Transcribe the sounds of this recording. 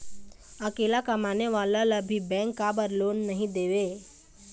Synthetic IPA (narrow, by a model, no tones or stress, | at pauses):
əkelakəmaneʋalalabʱibɛ̃ŋkːabəɾloːnːəɦĩd̪eːʋe